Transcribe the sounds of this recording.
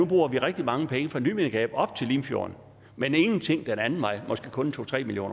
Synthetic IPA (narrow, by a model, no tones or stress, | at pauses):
ub̥ʁṵːɐʋiʁɛɡ̥̚d̥imɑ̈ŋəpʰeŋəfʁɑ̈nyːmenɡ̥ɛ̰ːb̥ɒ̽b̥̚t͡sʰe̝liːmfjo̝ːɐn | mene̝ŋn̩t͡sʰe̝ŋ̰d̥enænn̩ˠmɑ̈ɪmɒ̽sɡ̥e̝ːkʰɔ̽nt͡sʰo̝̰ːt͡sʰʁɛ̰ːmiljo̰ːn